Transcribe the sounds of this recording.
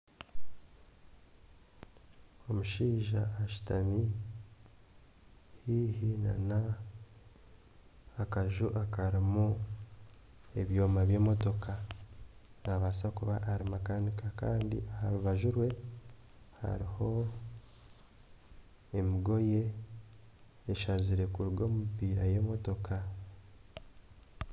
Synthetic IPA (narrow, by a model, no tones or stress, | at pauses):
o̞muʃiːʒaːʃu̥tami | hiːhina̰na | kaʒuʔakaɾimu | e̞βjo̞ːmaβje̞ːmo̞to̞ka | naβasakuβaʔːɾimakanikakaːndḭʔahaɾuβaʒuɾwe̞ | ha̰ɾiho̞ | e̞miɡo̞je̞ | ʃaziɾe̞kuɾuɡo̞ːmipiːɾaje̞ːmo̞to̞kʰa